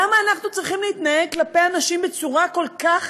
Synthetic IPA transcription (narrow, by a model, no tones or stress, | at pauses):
amaːnaχnut͡sʁiχimlehit̪naeɡ̚klapejanaʃimbe̞t͡suʁako̞lkaχ